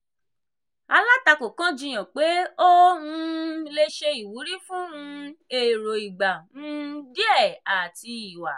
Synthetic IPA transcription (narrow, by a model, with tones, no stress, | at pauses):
a˧la˦ta˧ko˨kã˦d͡ʒĩ˧j̃ã˨k͡pe˨˦o˦nũ˧˦le˧ʃe˧i˨wu˨˦ɾi˦fũ˦ũ˧e˨ɾo˨i˨ɡ͡ba˨ñ̩˦di˦ɛ˦˨a˨ti˧i˨wa˨